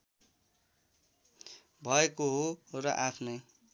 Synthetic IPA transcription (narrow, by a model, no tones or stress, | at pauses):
bʱʌekoɦorʌ̰ʔapʰnʌj